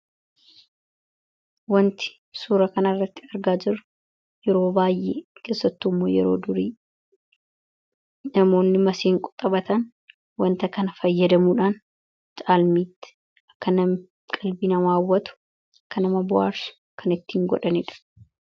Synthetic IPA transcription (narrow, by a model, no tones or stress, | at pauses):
wɐnt̪ɪ̥ | suːɾɐkɐnɐrːɐt̪ːɪ̥ɐɾɡaːd͡ʒɪɾɐ | jɛɾo̞ːbaːjʔeːke̞ːsːɐt̪ːuːmːoːjɛɾo̞̰ːd̪ʊɾiː | nɐmo̞ːnːɪmɐseːŋkʼʊt̪ʼɐbɐt̪ɐn | wɐnt̪ɐkɐnɐfɐjːɐd̪ɐmuːᶑaːn | t͡ʃʼaːlmiːt̪ːɪ̥ | ɐkːɐnɐm | kʼɐlbiːnɐwaːwːɐt̪ʊ̥ | ɐkːɐnɐmɐbʊa̰ːɾsʊ̥ | kʰɐnɪt̪ːiːŋɡɔ̰ᶑɐnɪᶑɐ̥